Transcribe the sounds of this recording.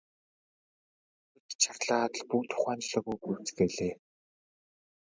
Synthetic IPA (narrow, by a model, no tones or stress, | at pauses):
et̪t͡ɕʰarɮaːt̪ɮpukt̪ʰʊ̥χæːnt͡ɕɮə̆ːɣujpuwt͡sɡeɮeː